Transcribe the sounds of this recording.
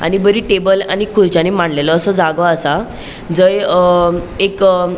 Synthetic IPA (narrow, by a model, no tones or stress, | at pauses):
a̰ñibəɾiːʈebəla̰nikʰuɾd͡ʑanimaɳlelɔːsɔd͡zaɡɔasa | d͡zəj | ek